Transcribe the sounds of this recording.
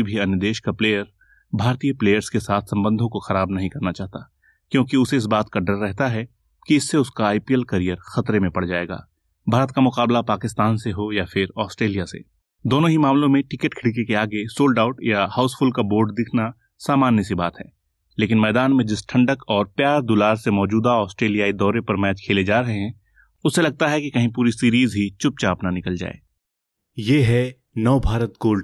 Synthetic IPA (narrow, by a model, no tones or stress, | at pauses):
ibʱiɐnjəd̪eːʃkapleːjəɾ | bʱaːɾt̪ijəpleːjəɾskesaːt̪ʰsɐ̃mbə̃nd̪ʱõkoxɐɾaːbnɐɦĩkɐɾnat͡ʃaːɦt̪a | kjõːkiʊseɪs̬baːt̪kaɖəɾːɛɦt̪aɦɛ | kiɪsːeʊskaːɪpiɛlkɐɾijəɾxɐt̪ɾemẽpɐɽd͡ʒaːeːɡa̰ː | bʱaːɾət̪̚kamʊqaːblapaːkɪst̪aːnseɦojafʰɪɾɔːsʈɾeːlijasḛ | d̪oːnõɦimaːmlõmẽʈɪkəʈkʰɪɽik̬ekeaːɡesoːlɖaːʊʈjahaʊsfʊlkaboːɾɖd̪ɪkʰna | saːmaːnjəsibaːt̪ɦɛ̰ː | leːk̬ɪnmɛːd̪aːnmẽd͡ʒɪsʈʰɐ̃ɳɖəkɔːɾpjaːɾd̪ʊlaːɾsemɔːd͡ʒuːd̪aɔːsʈɾeːlijaːid̪ɔːɾepɐɾmɛːt͡ʃkʰeːled͡ʒaːɾəɦeɦɛ̃ | ʊsːelɐɡ̚t̪aɦɛkikɐɦĩp̬uːɾisiːɾiːzɦit͡ʃʊp̚t͡ʃaːpnanɪkəld͡ʒa̰ːḛː | jeːɦɛ | nɐːbʱaːɾət̪ɡoːlɖ